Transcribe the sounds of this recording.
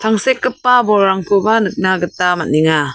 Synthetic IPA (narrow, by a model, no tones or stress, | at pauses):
t̪ʰaŋsekːɯpːabɔːaŋkʰubanɯk̚naɡət̪ːamat̚niŋa